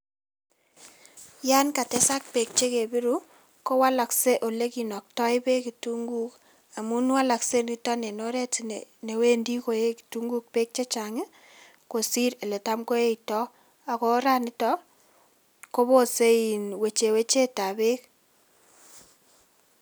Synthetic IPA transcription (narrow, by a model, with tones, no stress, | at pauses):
ja˦nka˨tɛ˦sa˦k̚pe˨k̚t͡ʃe˦ke˨bi˦ɾu˦ | ko˦wa˦la˨kse˦ʔo˨le˦ki˨nɔ˨k̚tɔ˦ɪ˦be˦ki˨tu˦ŋɡu˦k | a˨mu˦n˦wa˦la˨kse˦ni˦tɔ˦ne˨no˦ɾɛ˦ti˨n̰˨ne˨we˦ndi˦ko˨je˦ki̥˨tu˦ŋɡu˦k̚pe˦k̚t͡ʃe˦t͡ʃa˨ŋe˦ | ko˨si˦ɾe˨le˨ta˦mko˦e˦itɔ˦ | a˨ko˦ɾa˦nɪ˦tɔ˦ | ko˦βo˦se˦i˨nwe˨t͡ʃe˨we˦t͡ʃe˦ta˨be˦k